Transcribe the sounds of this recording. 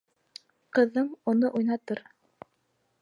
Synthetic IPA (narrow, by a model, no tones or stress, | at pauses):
qɤ̆ðːɤɴunɤʔujnɑt̪ɤɾ